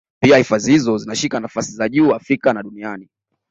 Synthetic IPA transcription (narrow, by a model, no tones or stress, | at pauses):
piahifazihizɔzinaʃikanafasizaʄuːafɾikanaɗuniani